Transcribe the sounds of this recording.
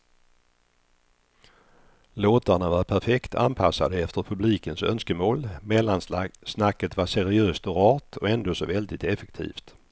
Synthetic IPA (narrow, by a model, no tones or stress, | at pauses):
loːt̪aɳavaɾpʰæɾfɛkt̪ʰa̰npʰasːad̪əɛft̪əɾpʰɵbliːkənsœ̰nskəmoːlmɛlːansasnakːət̪vasɛɾɪøːst̪ɔɾɑːt̪ʰɔɛnd̪oːsɔvɛld̪ɪt̪ɛfɛkt̪ʰḭːft̪